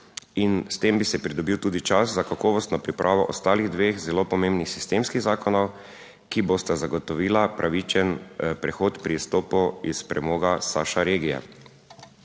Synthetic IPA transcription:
inst̪embisɛpɾid̪ɔbiːwt̪uːd̪it͡ʃaszakakɔːʋɔst̪nɔpɾipɾʔaːʋɔʔɔst̪aːliɣd̪ʋeːxzɛloːpɔmembnixsi̥st̪emskiɣzaːkɔnɔw | kiboːst̪azaɡɔt̪ɔʋiːlapɾʔaʋit͡ʃɛnpɾɛxoːt̪pɾist̪oːpɔispɾɛmoːɡasaʃaɾeːɡijɛ̰

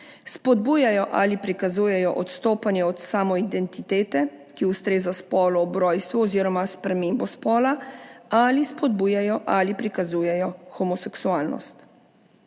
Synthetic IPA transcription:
spɔd̪̚buːjajɔʔalipɾikazuːjɛjɔʔɔt̪st̪oːpanjɛɔt̪saːmɔid̪ɛnt̪it̪eːt̪ɛkiust̪ɾeːzaspɔːlɔɔbɾɔːjst̪ʋuɔziːɾɔmaspɾɛmembɔspɔːlaalispɔd̪̚buːjajɔʔalipɾikazuːjɛjɔxɔmɔsɛksuaːlnɔ̰st̪

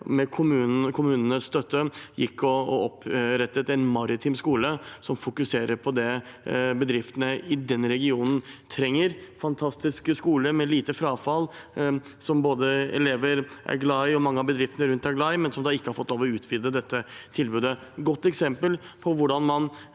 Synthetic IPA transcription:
mɛkʰʊmʉːkʰʊmʉːnənəsst̪œt̪ːəjɪ̰kʰːɔɔpɾɛt̪ːət̪æɪnmɑɾɪt̪ʰiːmskuːləsɔmfʊkʉseːɾəɾpʰɔd̪ɛbəd̪ɾɪft̪ənəɪd̪ɛnɾɛɡɪuːnən̩t̪ʰɾɛŋːəɾfɑnt̪ʰɑst̪ɪskskuːləmɛliːt̪əfɾɑːfɑl | sɔmboːd̪əɛ̰leːʋəɾʔæ̰ɾɡlɑɪɔmɑŋːəɑbəd̪ɾɪft̪ənəɾʉnt̪æɡlɑɪmɛnsɔmd̪ɑːɪkːəhɑɾfɔt̪ːloːʋɔʉːt̪ʰʋɪd̪əd̪ɛt̪ːət̪ʰɪlbʉːd̪əɡɔt̪ːɛksɛmpəlpʰɔʋʊɖɑnmɑn

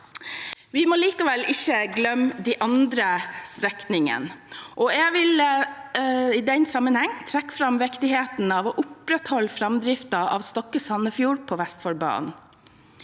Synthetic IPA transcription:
ʋɪmɔliːkɑʋɛlɪçəɡlœmd̪iːʔɑnd̪ɾəsɾɛknɪŋə̰nʔɔɛɡʋɪl | ɪd̪ɛnsɑmːənhɛŋːt̪ʰɾækːfɾɑmʋɛkt̪ɪheːt̪nɑːʋɔʔʊpɾɛt̪hɔlːfɾɑmd̪ɾɪft̪ɑʔɑ̰ʋst̪ɔkːəsɑnːəfjuːɹpʰɔːʋæst̪fɔɾbɑ̰ːn

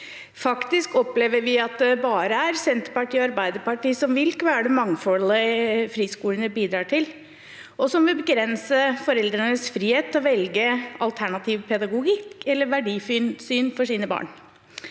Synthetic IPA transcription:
fɑkt̪ɪskɔpleːʋəɾʋɪɑt̪̚d̪ɛbɑːɾəæɾsɛnt̪əpɑʈiːɔɑɾbæɪd̪əɾpɑʈiːsɔmʋɪlkəʋæːɖɛmɑŋfɔləfɾiːskuːlənəbiːd̪ɾɑːʈʰɪl | ʔɔsɔmʋɪlbəɡɾɛnsəfɔɾɛld̪ɾənəsfɾiːheːt̪ʰːɔʋɛlɡəʔɑlt̪ʰæɳɑt̪ʰiːʋpʰɛd̪ɑɡʊɡɪkːɛlːəɾʋæɖiːfyːnsyːnfɔʂiːnəbɑ̰ːɳ

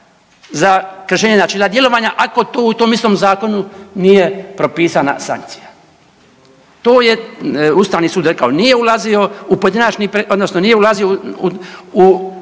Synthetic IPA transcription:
zakr̩ʃeːɲenat͡ʃilad̪je̞lo̞ʋaɲaʔako̞t̪oːut̪o̞mist̪omzaːko̞nunije̞pɾo̞piːsana̰sa̰ŋk̚t̪si̥ja | t̪o̞ːje̞ust̪aːʋnisuːd̪ɾekaonije̞ulazio̞upoed̪inat͡ʃnipɾeʔod̪nosnonije̞ulaziouu

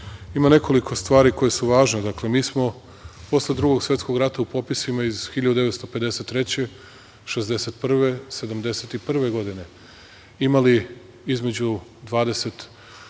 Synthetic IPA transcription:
imane̞kʰo̞likʰo̞st̪ʋaːɾiko̞jesuʋaːʒned̪akle̞miːsmo̞ | po̞sle̞d̪ɾuɡo̞ɡsʋjet̪sko̞ɡɾat̪aupo̞pisimaiz̥xiʎad̪ud̪eʋe̞t̪st̪o̞pe̞d̪e̞se̞t̪ːɾe̞t͡ɕe̞ | ʃe̞zd̪e̞se̞t̪pr̩ʋe̞se̞d̪amd̪e̞set̪ipr̩ʋe̞ɡo̞d̪ine̞ | imali | izme̞d͡ʑud̪ʋaːd̪e̞se̞t̪

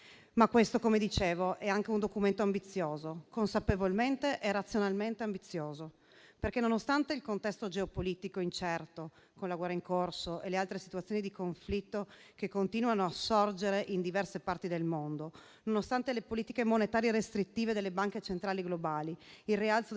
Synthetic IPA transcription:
makːwest̪okomed̪it͡ʃeːvoʔɛaŋkeund̪okument̪oambit̪sːjoːzokonsapevolment̪eʔerat̪sːjonalment̪eambit̪sːjoːzo | perkenonost̪ant̪eilkont̪ɛst̪od͡ʒeopoliːt̪ikoint͡ʃɛrt̪o | konlaɡwɛrːaiŋkorsoʔelealt̪ɾesit̪uat̪sjonid̪ikoɱflit̪ːokekːont̪iːnuanoasːord͡ʒeɾeʔind̪ivɛrsepart̪id̪elmond̪o | nonost̪ant̪elepoliːt̪ikemonet̪aːɾjerest̪ɾit̪ːiːved̪elːebaŋket͡ʃent̪ɾaːliɡlobaːliilrialt̪so

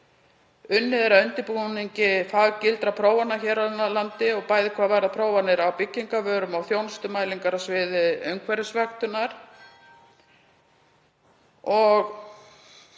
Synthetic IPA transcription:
ʏnːɪðɛɾaœnt̪ɪpuniɲcɪfaːɣcɪlt̪ɾapʰɾoːwvanːaçɛɾanalant̪ɪɔɣpaːjðɪkʰvaːðvajɾðapʰɾoːwvanɪɾawpɪcːiŋkavœːɾʏmawθjownst̪ʏmaːjliŋkaɾasvɪːðɪœɥŋkʰvɛɾʏsvaxt̪ʏnaɾ̥ | ɔɣ

